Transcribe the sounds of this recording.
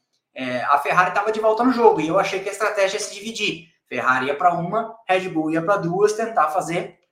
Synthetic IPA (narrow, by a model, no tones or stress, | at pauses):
ɛɐ̰feɦaɾɪt̪avɐd͡ʒɪvɔwˠt̪ɐnʊʒoɡʊɪewaʃejkɪɐɪst̪ɾat̪ɛʒiɐsɪd͡ʒivid͡ʒi | fehaɾɪiɐpɾɐũmɐhɛd͡ʒɪbuwiɐpɾɐd̪uɐst̪ẽnt̪afazeɾ